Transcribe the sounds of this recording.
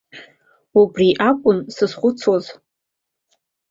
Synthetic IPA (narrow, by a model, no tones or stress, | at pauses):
ubriʔakʷʼʊnsɨzχʷʊt͡sʰoz